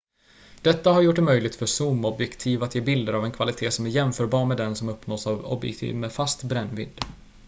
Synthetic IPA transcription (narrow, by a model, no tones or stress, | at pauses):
d̪̥ɛt̪ːaɦaɾjʊʈ̚ɖɛmœjlɪɡ̚t̪fœʂuːmɔbjɛkt̪ʰiːvat̪jeːbɪld̪əɾavɛnkʰvalɪt̪ʰeːsɔmæɾjɛmfœːɾbɑːɾmɛd̪ɛnsɔmɵpnoːsavɔ̰bjɛ̰k̚t̪ʰḭːvmɛfast̪bɾɛnːvɪ̰d̪ː